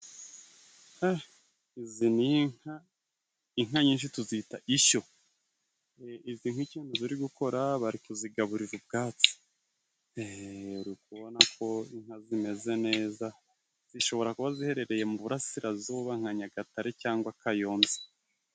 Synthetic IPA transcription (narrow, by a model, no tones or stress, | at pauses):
ha | iziniŋ̥ha | iŋ̥aɲiːnʃ̬ituzitaʔiʃo̞ | iziːŋhwiciːnduziɾiɡuko̞ɾaβaɾikuziɡaβuɾiɾub̚ɡaːt͡si̥ | eɾukuβo̞nakʰo̞iŋ̥hazime̞ze̞ne̞ːza | z̥iʃo̞βo̞ɾakuβazihe̞ɾe̞ɾe̞je̞muβuɾasiɾazuːβaŋ̥haɲaɡataɾecaːŋɡwakajo̞ːnze